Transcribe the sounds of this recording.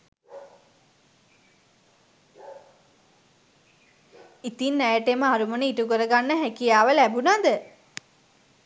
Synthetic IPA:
it̪inːæjəʈeməaɾumənəitukəɾəɡanːəɦækijaːʋəlæbunad̪ə

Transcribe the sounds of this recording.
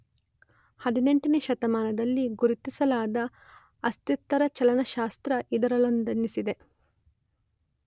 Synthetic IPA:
hɐd̪ine̞ɳʈɐneːʃɐt̪ɐmaːnɐd̪ɐlːiɡuɾit̪isɐlaːd̪ɐ | ɐst̪it̪ːɐɾɐt͡ʃɐlɐnɐʃaːst̪ɾɐʔid̪ɐɾɐlond̪ɐnːisid̪e̞

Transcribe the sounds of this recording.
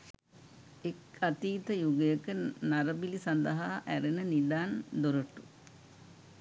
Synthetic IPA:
ekːat̪iːt̪əjuɡəjəkənaɾəbilisand̪əɦaːʔæɾenənid̪aːnd̪oɾəʈu̥

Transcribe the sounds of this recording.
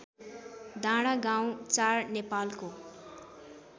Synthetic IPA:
d̪ʱaɽ̃aɡaw̃t͡sarnepalko

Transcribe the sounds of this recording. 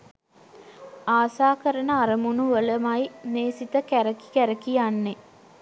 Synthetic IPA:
aːsaːkəɾənəaɾəmunuʋələmajneːsit̪əkæɾəki̥kæɾəkijanːe

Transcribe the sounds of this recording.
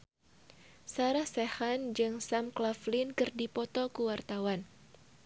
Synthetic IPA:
saɾahsehand͡ʒɨŋsamklaflinkɨrdipɔt̪ɔkuwart̪awan

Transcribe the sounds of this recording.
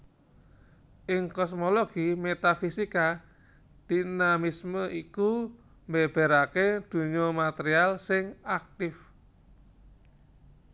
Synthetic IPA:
ʔɪŋkɔsmoloɡ̥imet̪afisika | d̪̥i̤namisməʔiku | mbeb̥e̤ɾaked̪̥ṳɲɔmat̪eɾialsɪŋak̚t̪ɪf

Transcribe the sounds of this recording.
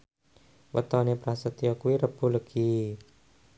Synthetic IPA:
wə̰t̪ɔnepɾasət̪iɔkuiɾəb̥uləɡ̥i

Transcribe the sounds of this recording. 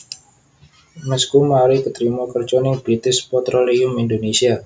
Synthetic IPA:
mɛskumaɾikət̪ɾimɔkərt͡ʃɔnɪŋbɾit̪ɪspɔt̪ɾoliʊmindonesia

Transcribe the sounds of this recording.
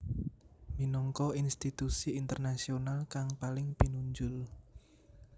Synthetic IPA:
minɔŋkɔinst̪it̪usiːnt̪ərnasionalkaŋpalɪŋpinuɲd͡ʒʊl

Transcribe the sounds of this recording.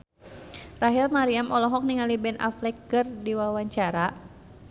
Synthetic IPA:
raɦilmaɾiamʔɔlɔɦɔk̚niŋalibɛnʔa̰flɛkːɨrdiwawaɲt͡ʃaɾa

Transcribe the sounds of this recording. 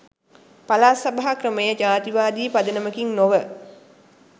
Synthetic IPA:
palaːsabaɦakrəməjəd͡ʒaːt̪iʋaːd̪iːpad̪ənəməkiŋnoʋə

